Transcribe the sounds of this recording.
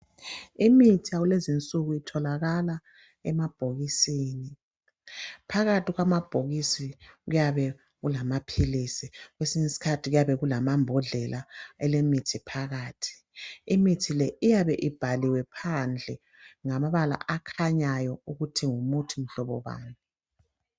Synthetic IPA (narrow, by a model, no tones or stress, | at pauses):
imitʰiaɣulezint͡sʼuɣuitʰɔlaɣala | ɛmab̥ʱoɣisiːni | pʰaɣatʰiɣwamab̥ʱoɣisiɣujaβɛ | ɣulamapʰilisiɣwesiɲisi̥kʰatʰiɣujaβɛɣulamambʱɔɮɛlʔaɛlemitʰipʰaɣaːtʰi̥ː | mitʰilɛʔijaβɛʔib̥ʱaliwɛpʰand͡ɮʱɛ | ŋamaβala̰ʔakʰaɲajɔuɣutʰiŋumutʰim̩ɬɔβɔβa̰ːŋi